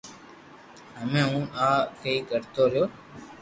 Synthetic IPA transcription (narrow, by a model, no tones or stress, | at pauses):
ɦəmẽːɦũːʔaːkəiːkəɾt̪oːɾɪjoː